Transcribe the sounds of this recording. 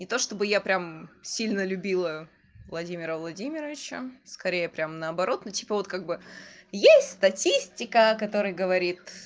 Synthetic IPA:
nʲɪt̪o̞ʂt̪o̞bɨjapɾʲamsʲilʲnəlʲʉbʲilˠə | vlˠɐdʲimʲɪɾəvlˠɐdʲimʲɪɾəvʲɪt͡ɕə̰skɐɾʲejəpɾʲamnəɐbɐɾʔo̞t̪notʲi̥pəvo̞t̪kaɡ̚bɨjesʲtʲst̪ɐtʲisʲtʲɪkəkɐt̪o̞ɾəjɡəvɐɾʲit̪

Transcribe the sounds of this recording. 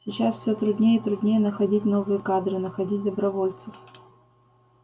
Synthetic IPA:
sʲɪt͡ɕasfʲsʲot̪ɾʊd̪ʲnʲejət̪ɾʊd̪ʲnʲejənəxɐdʲitʲno̞vɨjəkad̪ɾɨnəxɐdʲit̚ʲd̪əbɾɐvo̞lʲt̪sɨf

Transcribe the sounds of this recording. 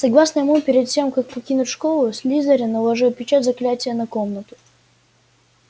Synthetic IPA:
sɐɡlˠasnəjɪmupʲɪɾʲɪt̪tʲe̞mkak̚pɐkʲinʊtʲʂko̞lˠʊsʲlʲizəɾʲɪnəlˠɐʐɨpʲɪt͡ɕat̪ʲzɐklʲætʲɪjənɐkomnət̪ʊ̥

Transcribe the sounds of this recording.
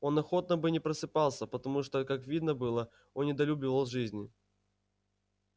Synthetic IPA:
o̞nɐxo̞t̪nəbɨnʲɪpɾəsɨpɑlˠsʲəpət̪ɐmuʂt̪okakvʲid̪nəbɨlˠə | onnʲɪd̪ɐlʲubʲɪvəlˠʐɨzʲnʲɪ

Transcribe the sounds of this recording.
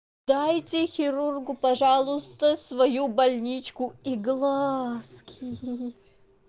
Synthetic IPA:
d̪ajtʲɪxʲɪɾurɡʊpɐʐɑlˠʊst̪əsvɐjubɐlʲnʲit͡ɕkʊiɡlˠaskʲʰi

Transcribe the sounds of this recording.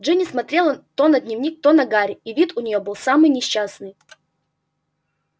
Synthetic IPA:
ʐɨnʲismɐt̪ɾʲelˠət̪onɐd̪ʲnʲɪvnʲik̚t̪onɐɡaɾʲɪivʲit̪ʊnʲɪjo̞bɨlˠsamɨjnʲɪɕːasnɨj

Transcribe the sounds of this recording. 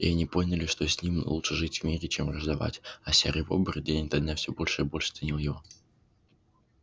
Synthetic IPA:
ḭɐnʲipo̞nʲəlʲɪʂt̪osʲnʲimlˠutʂɨʐɨtʲvmʲiɾʲɪt͡ɕemrəʐd̪ɐva̰tʲɐsʲeɾʲəvo̞̰bərʲd̪ʲenʲt̪ɐd̪nafsʲobo̞lʲʂɨɪbo̞lʲʂɨ̥t̪sɨnʲilˠjɪvo̞

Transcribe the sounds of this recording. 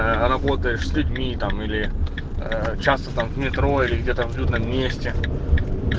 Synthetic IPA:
rɐbo̞t̪əjɪʂsʲlʲʉdʲmʲit̪amilʲɪ | ət͡ɕast̪ət̪amvmʲɪt̪ɾoilʲɪɡdʲe̞t̪əvlʲud̪nəmːʲesʲtʲɪ

